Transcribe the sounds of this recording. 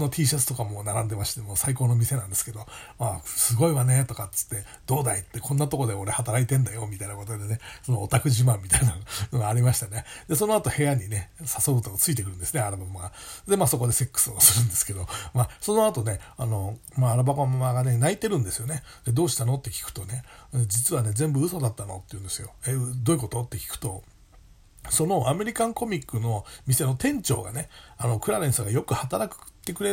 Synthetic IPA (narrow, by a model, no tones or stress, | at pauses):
no̞t̪ʲiːɕat͡sɨ̥t̪o̞kamo̞naɾãnd̪e̞maɕi̥t̪e̞mo̞ːsaikoːno̞mʲise̞nãnd̪e̞sɨ̥ke̞d̪o̞asɨɡo̞iβane̞t̪o̞kat͡sɨ̥t̪ːe̞ | d̪̥o̞ːd̪ait̪ːe̞kʰõ̞nːat̪o̞ko̞d̪e̞o̞ɾe̞hat̪aɾait̪ẽ̞nd̪ajo̞mʲit̪ainako̞t̪od̪ene̞sonoːt̪akɯ̟ʑimãmːʲit̪ainanoɡaːɾʲimaɕi̥t̪ane̞d̪̥e̞so̞no̞at̪o̞he̞jaɲ̟ine̞sasobɯ̟t̪oɡat͡sɨit̪e̞kɯɾɯ̃nd̪eɨneaɾɯbamaɡad̪e̞maːso̞ko̞d̪e̞se̞kːɯ̥sɨosɨɾɯ̟̃nd̪esɨ̥ke̞d̪o̞maso̞no̞at̪o̞ne̞ano̞maːɾabakomamaɡane̞nait̪e̞ɾɯ̟̃nd̪e̞sɨjo̞ne̞ | d̪e̞d̪o̞ːɕi̥t̪ano̞t̪ːe̞kʲi̥kɯ̟̥t̪o̞ne̞d͡ʑit͡sɨβane̞zẽ̞mbɯ̟ɯ̟so̞d̪at̪ːano̞̰t̪ːe̞iɯ̟̃nd̪e̞sɨjo̞ed̪o̞iko̞t̪o̞t̪ːe̞kʲi̥kɯ̟̥t̪o̞ | so̞no̞ʔame̞ɾʲikãŋko̞mʲikːɯ̟no̞mʲise̞no̞t̪ẽ̞ɲ̟t͡ɕo̞̰ːɡa̰ne̞ano̞kɯ̟ɾaɾẽ̞ɰ̃soɡajo̞kɯ̟hat̪aɾakɯ̥t̪ːe̞kɯ̟ɾe